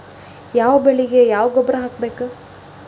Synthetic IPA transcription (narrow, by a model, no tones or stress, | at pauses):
jaːʋɐbeɭiɡe̞jaːʋɡɔbɾɐɦaːkbeːku